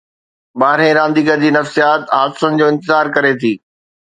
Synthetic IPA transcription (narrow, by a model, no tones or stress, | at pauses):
baːɾẽɾãːnd̪iːɡəd͡ʑiːnɐfsijaːt̪ɦaːd̪ɪsʊnɪ̆d͡ʑoːɪ̃nt̪ɪzaːɾkɐɾet̪ʰiː